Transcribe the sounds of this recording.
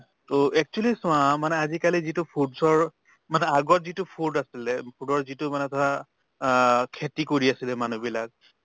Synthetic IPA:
toɛk̚t͡ʃualisʊ̃ãmanɛazikalizitʊpʰudsɔɹ | manɛaɡɔtzitupʰudasilɛpʰudɔɹzitʊmanɛtʰɔɹa | kʰetikoɹiasilɛmanubilak̚

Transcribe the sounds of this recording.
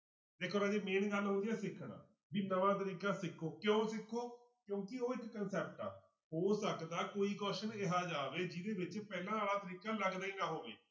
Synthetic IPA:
d̪eːkʰoːɾəd͡ʒeːmeːnɡəlɦõnd̪ijɛːsɪkʰɳã̰ː | biːnəʋãːt̪̬əɾiːkaːsɪkʰoːkjõːsɪkʰːoː | kjõːkɪoːɪkːənsɛːp̚ʈa̰ː | ɦoːsəkd̪aːkoːiːkɔːʃənɪɦaːd͡ʒaːʋeːd͡ʒɪd̪eːbɪt͡ʃpɛːlãːɽaːt̪əɾiːkaːləɡd̪aːiːnaːɦoːʋḛː

